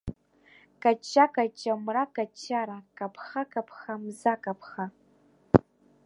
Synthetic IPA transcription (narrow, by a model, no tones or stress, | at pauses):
kʼat͡ʃʰːakʼat͡ʃʼːamrakʼat͡ʃʰːaɾakʼapʰχakʼapʰχamzakʼapʰχa